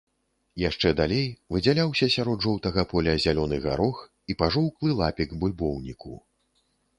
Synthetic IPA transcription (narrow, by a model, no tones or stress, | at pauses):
jaʂt͡ʂɛd̪alʲejvɨd͡zʲalʲawsʲɐsʲaɾɔd̪ʐɔwt̪ɐɣɐpɔlʲɐzʲalʲɔnɨɣa̰ɾɔx | ipaʐɔwklˠɨlˠapʲiɡbulʲbɔwnʲiku